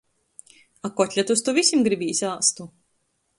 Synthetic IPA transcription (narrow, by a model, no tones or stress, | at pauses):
akɔt̪ʲlʲat̪ust̪uvisʲimɡɾibʲiːsʲaːst̪u